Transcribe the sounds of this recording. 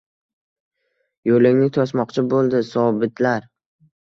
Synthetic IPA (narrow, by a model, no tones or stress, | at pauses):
jolɪŋnɪt̪ʰɒsmɒqt͡ʃʰɪbolˠd̪ɪsɒbɪt̪ʰlaɾ